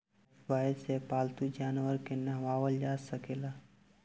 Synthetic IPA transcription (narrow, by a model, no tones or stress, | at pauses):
aːəsepaːlt̪ud͡ʒaːnʋəɾkenaʋaːʋəld͡ʒaːsəkeːlaː